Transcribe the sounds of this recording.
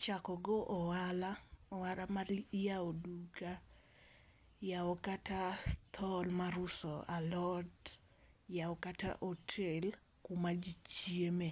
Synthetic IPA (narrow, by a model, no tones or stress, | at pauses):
t͡ʃakɔɡoʔɔwalaɔwaɾamaɾjaoduɡa | jaɔkatast̪ʰɔlmaɾʊsɔalɔd | jaɔkata̰ʔotʰel | kumad͡ʒit͡ʃieme